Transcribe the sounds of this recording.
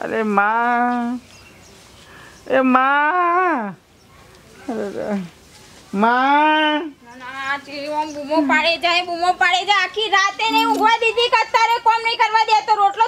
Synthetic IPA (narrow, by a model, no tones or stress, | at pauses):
ə̰ɾemã | ema | ɾe | ma | nat͡ʃiiɔmbʱumopaɽed͡ʒaebʱumopaɽed͡ʒaakʰiɾat̪eneuɡʋad̪id̪ʱikət̪ːaɾekɔmnəkəɾʋad̪eat̪oɾoʈlo